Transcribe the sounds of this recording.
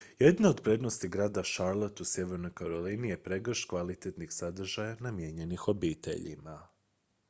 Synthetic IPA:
je̞d̪nao̞d̪pɾe̞d̪no̞st̪iɡɾaːd̪aʃaɾlˠot̪usje̞ʋe̞ɾno̞jkaɾo̞linije̞pɾe̞ɡr̩ʃkʋalit̪et̪nixsad̪r̩ʒajanamjeɲe̞nixo̞biːt̪ʰḛʎḭma

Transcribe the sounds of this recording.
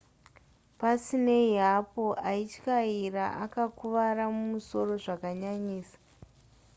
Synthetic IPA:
pasine̞iɦapo̞ʔait͡ʃkairaʔakakuʋaɾamumuso̞ro̞ʐakaɲaɲiːsḁ

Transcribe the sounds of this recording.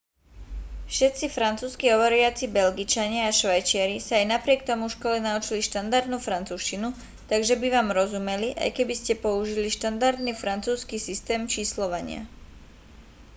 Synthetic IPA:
fʃɛt̪̚t͡sifɾant͡suːskiɦɔʋɔɾiat͡sibɛlɡit͡ʃaɲɪaaʃʋajt͡ʃɪaɾisaːjnapɾɪɛk̚t̪ɔmufʃkɔlɛnaut͡ʃiliʃt̪and̪aɾd̪nuːfɾant͡suːʃcinu | t̪aɡʒɛbiʋaːmɾɔzumɛliʔa̰jkɛbiscɛpɔuʒiliʃt̪and̪aɾd̪nifɾant͡suːskisist̪ɛːmt͡ʃiːslɔʋaɲɪa̰

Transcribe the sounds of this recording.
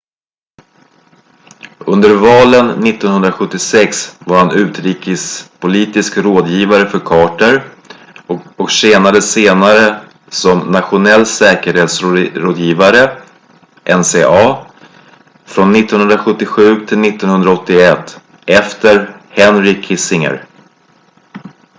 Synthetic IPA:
ɵnd̪əɾvɑːlənːɪt̪ːɔnɦɵnd̪ɾaɧɵt̪ːɪsɛksvaɾhanʉ̟ːt̪ɾiːkəspʰʊliːt̪ɪskɾoːd̪jiːvaɾəfœɾkʰɑːʈəɾ | ɔkseːnad̪əseːnaɾə | sɔmnat̪ɧʊnɛlːsɛːkəɾheːt̪sɾoːd̪jiːvaɾə | ʔɛnseːʔɑː | fɾɔnːɪt̪ːɔnhɵnd̪ɾaɧɵt̪ːɪɧʉ̟ːt̪ʰɪlnɪt̪ːɔnhɵnd̪ɾaɔt̪ːɪɛt̪ː | ɛft̪əɾhɛnɾɪkʰːɪsɪŋə̰ɾ

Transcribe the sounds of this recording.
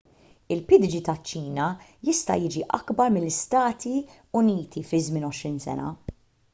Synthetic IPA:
ɪlpɪd̪d͡ʒit̪ɐt͡ʃːiːnɐjɪst̪ɐ̰jɪːd͡ʒiʔɐkbɐɾmɪlːɪst̪ɐːt̪i | ʊniːt̪ʰifɪzmɪːnɔʃɾiːnsɛ̰nɐ̰

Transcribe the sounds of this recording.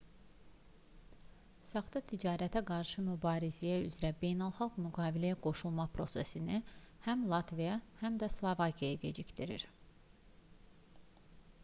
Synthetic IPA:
sɑχd̪ɑt̪ʰid͡ʒɑːɾæt̪ʰæɡɑɾʃɯmybɑːɾizijæy̰zɾæbe̞jnælˠχɑlˠɡmyɡɑːvilæjæɡo̞ʃulˠmɑpʰɾo̞sesinihæmlˠɑt̪vijɑhæmd̪æslˠovɑcʰijɑjɑɟed͡ʒict̪iɾḭɾ

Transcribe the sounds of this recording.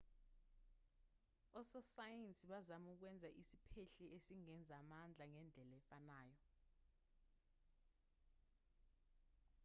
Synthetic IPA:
ɔsɔsajɛnt͡sʼiɓazamuk̬wɛnd͡zʱaʔisi̥pʰeɬɛʔesiŋɛnd͡zʱamand͡ɮʱaŋɛnd͡ɮʱɛlɛfanaːjɔ

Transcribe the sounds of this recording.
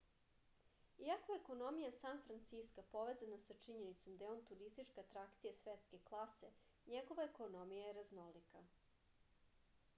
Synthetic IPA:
iakoeeko̞no̞mijasanfɾant̪siskapo̞ʋezanasat͡ʂiɲenit̪so̞md̪ajeo̞nt̪uɾist̪it͡ʂkaat̪ɾakt̪sijasʋet̪ske̞klˠase̞ | ɲeɡo̞ʋaeko̞no̞mijajeɾaznolika

